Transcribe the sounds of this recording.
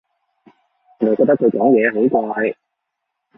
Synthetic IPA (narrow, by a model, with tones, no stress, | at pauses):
ɔ˨˥nɔ˨˩kɔː˧k̚t̪ɐ˥kʰɵ˧kɔː˨˥ŋjɛː˨˧ɦo˨˥wkɔː˧hɐ˨˩j